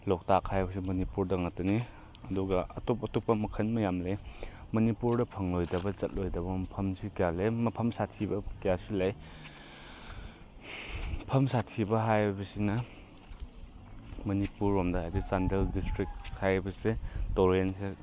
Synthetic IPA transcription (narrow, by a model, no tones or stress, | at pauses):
lɔk̚takʰːajbɐsimɐnipuɾdɐŋatɐni | ɐduɡɐʔɐ̰topɐtopːɐmɐkʰɐnmɐjamlemɐnipuɾdɐpʰɐŋlojdɐbɐt͡ʃɐt̚lojdɐbɐmɐpʰɐmsikijalemɐpʰɐmsatʰibɐkijasilaj | pʰɐmsatʰibɐɦajbɐsinɐ | mɐnipuɾomdɐhajdisandeldistɾik̚hajbɐsetoɾense